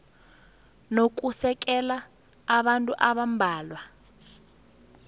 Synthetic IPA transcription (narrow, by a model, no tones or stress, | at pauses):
nok̬ʼusɛk̬ʼɛlaː | ɓantʼuʔaɓambʱaːlwa